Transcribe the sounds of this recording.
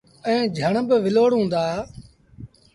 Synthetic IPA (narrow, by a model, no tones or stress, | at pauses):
ɛ̃ːd͡ʒʱəɳəbɪʋɪloːɽɦũːnd̪aː